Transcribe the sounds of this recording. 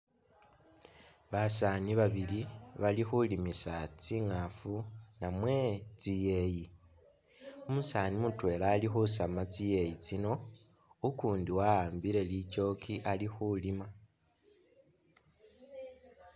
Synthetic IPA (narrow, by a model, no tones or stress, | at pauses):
βasaniβaβiliβalixulimisat͡siŋafunamwe̞t͡sije̞ji | omusaːnimutwe̞ːlaːlixusamat͡sije̞jit͡sino̞ | ukuːndiwaaːmbiɾe̞lit͡ʃo̞kʰiʔalixulima